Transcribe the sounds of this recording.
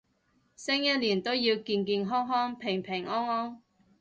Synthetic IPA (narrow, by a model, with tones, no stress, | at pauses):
sɪ˥ŋjɐ˥liː˨˩nt̪o˥wjiː˧wkiː˧nkiː˧nɦɔː˥ŋɦɔː˥ŋpʰɪ˨˩ŋpʰɪ˨˩ŋɔː˥ŋɔː˥ŋ